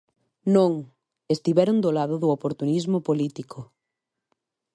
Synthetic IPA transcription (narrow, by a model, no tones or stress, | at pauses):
nõŋ | est̪iβɛɾõnd̪olaðʊðʊopoɾt̪unizmopolit̪ikʰo